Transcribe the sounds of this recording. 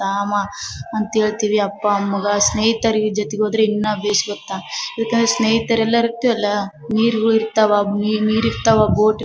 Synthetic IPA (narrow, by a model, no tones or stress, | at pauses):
aːmɐɐnt̪ɐɦe̞ːɭt̪iːʋiɐpːɐːmːɐɡɐsneːɦit̪ɐɾid͡ʒɐt̪ɛɡoːd̪ɾeinːɐbeːsiɡɐt̪ːaɐd̪ɐkːɐnd̪ɾesneːɦit̪ɐɾɛlːɐiɾiɾt̪ːiʋɐlːɐ | niːɾuɡɐɭiɾt̪aːʋaniniːɾiɾt̪aʋaboːʈi